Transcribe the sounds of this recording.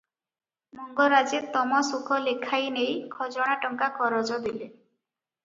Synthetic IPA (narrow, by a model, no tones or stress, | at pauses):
mɔŋɡɔɾad͡ʒet̪ɔmɔsukʰɔlekʰajnejkʰɔd͡ʒɔɽ̃aʈɔŋkakʰɔɾɔd͡ʒɔd̪ile